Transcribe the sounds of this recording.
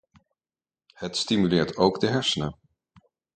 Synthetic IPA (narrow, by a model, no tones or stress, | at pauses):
hətstimylɪːɹtowɡdəɦɛɹsənə